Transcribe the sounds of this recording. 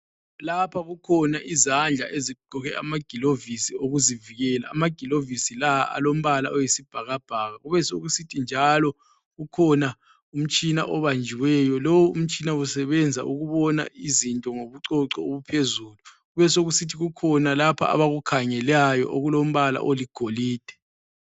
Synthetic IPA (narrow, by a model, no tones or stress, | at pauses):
lapʰaɣukʰɔnaʔizand͡ɮʱaʔeziɡ͡ǃʱɔɣɛamaɡ̥ʱilovisioɣuziviɣɛla̰ːmaɡ̥ʱilovisilaʔa̰lom̩βalaʔɔjisib̥ʱaɣab̥ʱaɣaɣuβɛsoɣusitʰind͡ʒʱalɔ | ɣukʰɔna | um̩t͡ʃʼina̰ʔɔβand͡ʒʱiwɛjɔlowuum̩t͡ʃʼinausɛβɛnd͡zʱa̰ʔuɣuβɔna̰ʔizintʼɔŋoβuǀɔǁɔoβupʰezuːluɣuβɛsoɣusitʰiɣukʰɔnalapʰa̰ʔa̰βaɣukʰaɲɛlajɔ̰ʔoɣulom̩βala̰ʔoliɡ̥ʱoliːd̥ʱɛ̥